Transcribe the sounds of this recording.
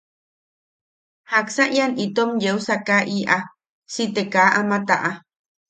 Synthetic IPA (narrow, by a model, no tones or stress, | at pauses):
haksaʔjanʔit̪omjeusakaʔiʔa | sit̪ekaʔamat̪aʔa